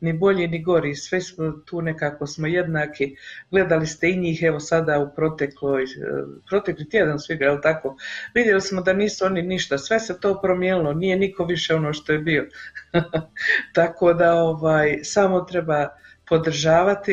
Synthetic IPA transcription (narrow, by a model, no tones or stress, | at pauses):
nibo̞ʎiːniɡo̞ɾiːsʋɛsmot̪uːne̞kaːko̞smo̞je̞d̪naːkʰiɡle̞d̪alist̪e̞iɲiːxeʋo̞sad̪aupɾo̞t̪ekloːjpɾo̞t̪e̞klit̪ʲjed̪ansʋiɡajelˠt̪ako̞ːʋid̪je̞lismo̞d̪aniːsuo̞niniʃt̪asʋe̞se̞t̪o̞ːpɾomjeːnilˠo̞nije̞niko̞ʋiʃeo̞no̞ːʃt̪o̞jebio̞ | t̪ako̞ːd̪ao̞ʋaːjsaːmo̞t̪ɾe̞baː | po̞d̪ɾ̩ʒaːʋat̪i